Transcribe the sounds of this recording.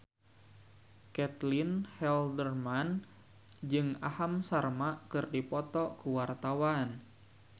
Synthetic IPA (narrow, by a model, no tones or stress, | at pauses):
kɛt̪linhɛldərman | d͡ʒɨŋahamsarmakɨrdipɔt̪ɔkuwart̪awan